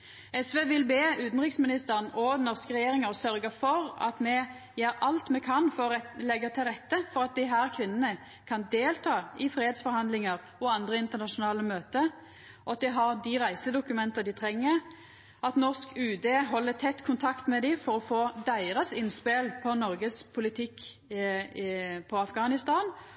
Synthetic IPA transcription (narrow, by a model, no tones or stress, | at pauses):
ɛsʋeːʋɪlbeːʉːt̪n̩ʁɪksmɪnɪst̪əʁənɔd̪ɛnːɔʁskəʁɛjeːɾɪŋəɔsœɾɡəfɔɾɑ̰t̪mɛ | jeːɾɑlt̪mɛkʰɑnfɔɾɔlɛɡːət̪ʰɪlʁɛt̪ːəfɔʁɑt̪̚d̪ɪɦæːɾkʰʋɪnːənə | kʰɑnd̪eːlt̪ʰɑːɪfɾeːed̪sfɔɾhɑnd̪lɪŋəʁ | ɔɑnd̪ʁəɪnt̪ənɑʃʊnɑːləmøːt̪ə | ɔɑt̪̚d̪ɛɦɑɾd̪ɪʁæɪsəd̪ʊkʉmɛnt̪əd̪ɪt̪ʰɾɛŋːəɾ | ɑt̪nɔʁskʰʉːd̪eːɦɔlːət̪ʰɛt̪ːkʰʊnt̪ʰɑkt̪mɛd̪ɪfɔɾɔfoːd̪æɪʁəsɪnspelpʰɔnɔɾɡəspʰʊlɪt̪ʰɪkː | pʰɔɑfɡɑːnɪst̪ɑːn